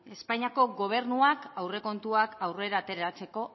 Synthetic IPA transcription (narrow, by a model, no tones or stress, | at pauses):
e̞spaɲiako̞ɡo̞β̞e̞ɾnuakawre̞ko̞nt̪uakawre̞ɾaːt̪e̞ɾɾat͡se̞ko̞